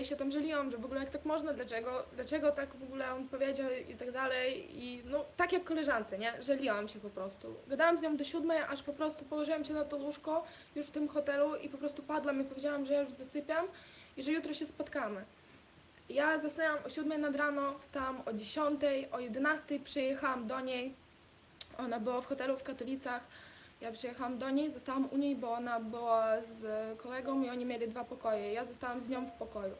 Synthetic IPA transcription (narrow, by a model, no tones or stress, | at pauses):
ɕɛt̪amʐɛlʲiwamʐɛvɔɡulɛjakt̪akmɔʐnad̪lat͡ʂɛɡɔd̪lat͡ʂɛɡɔt̪aɡvɔɡulɛɔnpɔvʲjed͡ʑawḭt̪aɡd̪alɛjinɔt̪akjakːɔlɛʐant̪sɛɲɛʐɛlʲiwamɕɛpɔpɾɔst̪ṵɡad̪awamzɲɔ̃wd̪ɔɕud̪mɛjaʂpɔpɾɔst̪upɔwɔʐɘwamɕɛnat̪ɔluʂkɔ | juʂft̪ɘmxɔt̪ɛluipɔpɾɔst̪upad̪lwamipɔvʲjed͡ʑawamʐɛjajuʐzasɘpʲjam | iʐɛjut̪ɾɔɕɛspɔt̪kamɘ | jazasnɛwamʔɔɕud̪mɛjnad̪ɾanɔfst̪awamɔd͡ʑeɕɔnt̪ɛjʔɔjɛd̪ɛnast̪ɛjpʂɛjɛxawamd̪ɔɲej | ɔnabɘwafxɔt̪ɛlufkat̪ɔlʲit̪sax | japʂɛjɛxawamd̪ɔɲejzɔst̪awamʔuɲejbɔɔnabɘwazkɔlɛɡɔ̃w̃iɔɲimʲjelʲid̪vapɔkɔjɛjazɔst̪awamzɲɔ̃w̃fpɔkɔjṵ